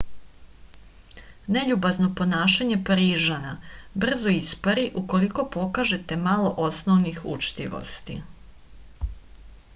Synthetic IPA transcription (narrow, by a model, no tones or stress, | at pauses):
ne̞ʎubazno̞po̞naːʃaɲe̞paɾiːʒanabr̩zoispaɾiʔuko̞liko̞po̞kaʒe̞t̪e̞malo̞ʔosnoʋnixṵt͡ʃt̪ḭʋo̰st̪ḭ